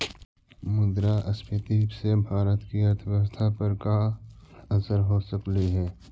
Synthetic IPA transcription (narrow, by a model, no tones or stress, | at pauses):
mʊd̪ɾaʔəspʰət̪iːbsebʱaːɾət̪kiəɾt̪ʰəʋəst̪ʰapəɾka | ɐsəɾɦoːsəkliɦɛː